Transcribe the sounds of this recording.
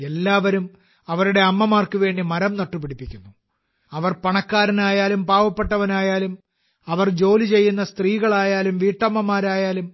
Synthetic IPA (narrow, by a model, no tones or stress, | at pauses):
e̞lːaːʋɐɾum | ɐʋɐɾuɽe̞ɐmːɐmaːrkɨʋe̞ːɳɖimɐɾɐmnɐʈːupiɽipːikʲːunːu | ɐʋɐrpɐɳɐkːaːɾɐnaːjaːlumpaːʋɐpːe̞ʈːɐʋɐnaːjaːlum | ɐʋɐrd͡ʑo̞ːlit͡ɕe̞jːunːɐst̪riːɣɐɭaːjaːlumʋiːʈːɐmːɐmaːɾaːjaːlum